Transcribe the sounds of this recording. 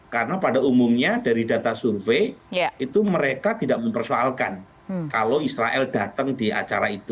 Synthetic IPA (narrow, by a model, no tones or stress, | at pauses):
karənapadaumumɲadaɾidat̪asurfeit̪uməɾekat̪idaʔməmpərsoalka̰n | kalowisɾaʔɛldat̪əŋdia̰t͡ʃaɾait̪u